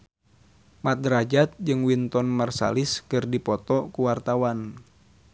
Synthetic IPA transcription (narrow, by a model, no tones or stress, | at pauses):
mat̪̚dɾad͡ʒat̪̚d͡ʒɨŋwint̪ɔnmarsa̰liskɨrdipɔt̪ɔkuwart̪awan